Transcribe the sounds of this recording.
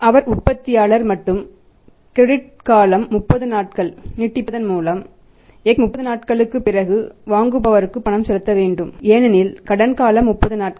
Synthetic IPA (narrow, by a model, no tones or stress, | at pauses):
ʔɐʋɐɾʊpːɐt̪ːɪjaːlɐɾmɐʈːɯm | kɾɛɽɪʈ̚ | kaːlɐmːʊpːɐðɯnaːʈ̚kɐɭnɪʈːɪpːɐðɐnmuːlɐm | eːkmʊpːɐðɯnaːʈkɐɭɯkːɯpːɪrɐɣɯʋaːŋɡɯbɐʋɐɾɯkːɯpːɐɳɐmsɛlɯt̪ːɐʋeːɳɖɯmeːnɐnɪlkɐɽɐnkaːlɐmːʊpːɐðɯnaːʈ̚k